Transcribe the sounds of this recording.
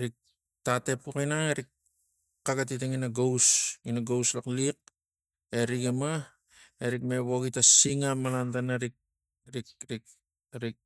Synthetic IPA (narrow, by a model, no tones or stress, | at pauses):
ɾik̚ | tate̞pukinaŋeɾik̚ | kːaɡat̬it̬eŋinaɡowsinaɡowslaklik̚ | eɾiɡema | eɾikme̞βoɡitasiŋamalantanaɾik̚ | ɾikɾik | ɾik̚